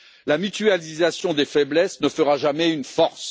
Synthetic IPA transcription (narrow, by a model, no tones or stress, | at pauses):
lamyt̪ɥalizasjɔ̃d̪efɛblɛsnəfəʁaʒamɛynfɔʁs